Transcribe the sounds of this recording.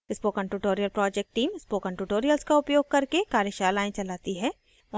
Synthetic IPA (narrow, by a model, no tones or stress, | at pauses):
ɪspoːkɐ̃ɳʈuʈoːɾijəlpɾɔːd͡ʒɛk̚ʈʈiːmɪspoːkɐ̃ɳʈuːʈoːɾijəlskaʊpjoːɡ̚kɐɾkekaːɾjəʃaːlaːẽt͡ʃɐlaːt̪iɦɛː | ɔ